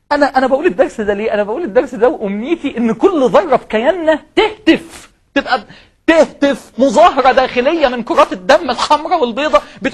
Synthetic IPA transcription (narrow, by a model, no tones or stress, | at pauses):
ʔænæʔænæbæʔuːled̪ːɑɾˤsd̪æleːʔænæbæʔuːled̪ːɑɾˤsd̪æwʔomniːt̪iʔenːkolːðˤɑrˤːɑfkæjænːæt̪eht̪ef | t̪ebʔæ | t̪eht̪efmozˤɑːɦɑɾˤɑd̪æːxelejːæmɪnqoɾˤːɑːt̪ed̪ːæmːelxɑmɾˤɑwelbeːd̪ˤɑbet̪